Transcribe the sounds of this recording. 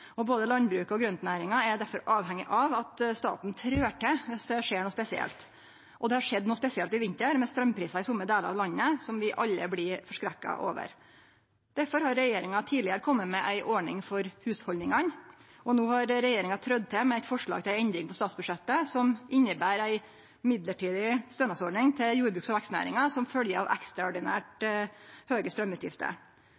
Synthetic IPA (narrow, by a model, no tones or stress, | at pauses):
ɔboːd̪əlɑnbɾʉːkəɔɡɾœnt̪næːɾɪŋɑæɾd̪æɾfɔɾɑːʋhɛŋːɪʔɑʋɑt̪st̪ɑ̰ːt̪n̩t̪ʰɾøːʈʰɛʋɪsd̪ɛʂeːɳuːspɛsɪɛ̰lt̪ | ʔɔd̪ɛhɑʂɛd̪ːnuːspɛsɪɛlt̪ɪʋɪnt̪əɾmɛst̪ɾœmpʰɾiːsɑɪsʊmːəd̪eːləɾɑ̰ʋlɑnːəsɔmʋɪʔɑlːə̰blɪfɔʂkɾɛkːɑ̰ʔo̰ːʋə̰ɾ | d̪̥æɾfɔɾhɑɾːɛjeːɾɪŋɑt̪ʰiːlɪəɾəkʰɔmːəmɛʔæɪʔɔɳɪŋfɔɾhʉːshɔlnɪŋɑn | ʔɔnoːhɑɾɾɛjeːɾɪŋɑt̪ʰɾœd̪̚t̪ʰɛmɛæɪt̪fɔʂɭɑ̰ːɡt̪ʰɪæɪɛnd̪ɾɪŋpʰɔst̪ɑːt̪sbʉʂɛt̪ːəsɔmʔɪnːəbæːɾæɪ | mɪd̪ləʈiːd̪ɪst̪œːnɑsɔɖɳɪŋt̪ʰɪljuːɾbɾʉːksɔʋækst̪næ̰ːɾɪŋɑsɔmfœljəɾɑ̰ʋʔæ̰kst̪ɾɑɔɖɪnæ̰ːʈ | høːɡəst̪ɾœmːʉːt̪jɪ̰ft̪ə̰ɾ